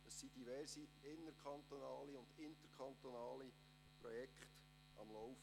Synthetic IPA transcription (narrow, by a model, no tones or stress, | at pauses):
əsːid̥iʋɛɾsiɪnːəɾkʰɑnt̪onɑːliʊnd̪ɪnt̪əɾkʰχɑnt̪onɑːli | prɔjɛkχt | ɑ̰mlɔwf